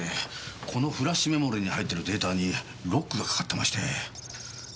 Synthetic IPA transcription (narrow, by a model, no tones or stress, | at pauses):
ekʰo̞no̞ɸɯ̟ɾaɕime̞mo̞ɾeɲ̟ihait̪ːe̞ɾɯ̟d̪e̞ːt̪aːɲ̟i | ɾo̞kːɯɡakḁkḁt̪ːe̞maɕi̥t̪e̞̰